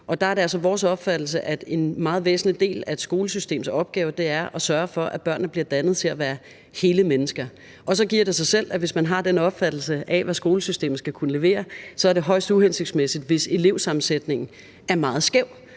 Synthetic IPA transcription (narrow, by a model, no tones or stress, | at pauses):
ɒ̽d̥ɑ̈æɐɾe̝ælsɒʋɒːsɒ̽b̥fæd̥l̩s̬əʔæd̥e̝nmɑ̈ːð̩ˠʋḛːsn̩lid̥e̝̰ːlæe̝d̥sɡ̥o̝ːləsysd̥e̝̰ːm̩sɒ̽b̥̚ɡ̥ɛːʊd̥e̝æɐʔɒ̽sɶɐfɒ̽ʔæb̥ɶɐ̰nːð̩b̥liɐd̥ænð̞̩ˠt͡sʰe̝læʋæːɐ | he̝ːləmenəsɡ̥ɐ | ʔɒ̽sɒ̽ɡ̥iɐ̰ɾ̥e̝sɑ̈ɪsel̰æʋe̝smænɦɑ̈d̥enəɒ̽b̥fæd̥l̩səʔɛʋæsɡ̥o̝ːləsysd̥e̝̰ːm̩sɡ̥ækʰunəle̝ʋe̝̰ːɐsɒ̽æɐde̝ɦɒ̽ɪ̰sd̥uɦense̝ɡ̥d̥smesid̥ʋe̝se̝le̝ʊ̰sɑ̈mn̩sed̥ne̝ŋn̩ | æɐmɑ̈ːð̩ˠsɡ̥eʊ̰